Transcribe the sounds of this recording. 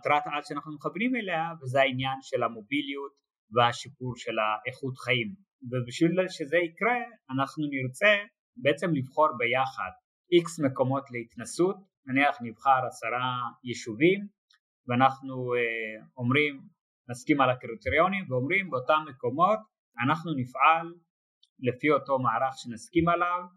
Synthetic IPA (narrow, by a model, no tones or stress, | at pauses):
t̪ɾat̪atʃeanaχnumeχavnimeleavezeainjanʃelamo̞bilijut | veaʃip̚uɾʃe̞laʔeχut̪χaim | vebiʃvilʃezeikɾe̞anaχnuniɾt͡se̞ | beet͡se̞mlivχo̞ɾbejaχa̰d̪̚ | iksmeko̞mo̞tleit̪nasut | naniaχnivχaɾasaɾajeʃuvim | veanaχnueo̞mʁim | naskimalakɾiteɾio̞nimveo̞mʁimbeotamːeko̞mo̞t | anaχnunifʕalː | e̞fio̞to̞maaɾaχʃenaskimalav